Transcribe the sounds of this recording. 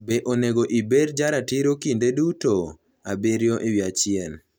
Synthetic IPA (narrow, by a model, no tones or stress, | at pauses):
beʔoneɡoʔibeɾd͡ʒaɾatiɾokindeduto | abeɾjoʔɪwiat͡ʃɪɛn